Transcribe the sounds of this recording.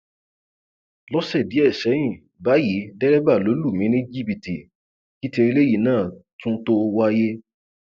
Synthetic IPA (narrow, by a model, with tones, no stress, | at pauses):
lɔ˦ʃɛ˦˨di˨˦ɛ˦˨ʃɛ˨˦j̃ĩ˦˨ | ba˨˦ji˨˦dɛ˦ɾɛ˦ba˦˨lo˨˦lu˦˨mĩ˨˦nẽ˦d͡ʒi˦pi˨tḭ˨ | ki˦te˧i˧le˦ji˦˨nãː˦˨tũ˦to˦wa˦je˦